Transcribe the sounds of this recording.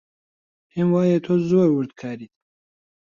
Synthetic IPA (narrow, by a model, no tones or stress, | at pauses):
hemwaːjet̪ʰozuɾwuɾd̪kʰaːɾit̪̚